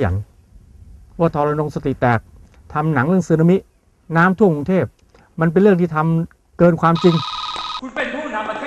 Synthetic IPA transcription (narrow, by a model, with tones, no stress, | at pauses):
ja˩˦n | waː˥˩t̪ʰɔː˧ɾa˧no˧ŋsa˧t̪i˨˩t̪ɛː˨˩k̚ | t̪ʰa˧mna˩˦ŋɾɯ˥˩əŋsɯː˧na˧mi˦˥ʔ | naː˦˥mt̪ʰu˥˩ŋku˧ŋt̪ʰeː˥˩p̚ | ma˧npe˧nɾɯ˥˩əŋt̪iː˥˩t̪ʰa˧m | kɤː˧nkʰwaː˧mt͡ɕi˧ŋ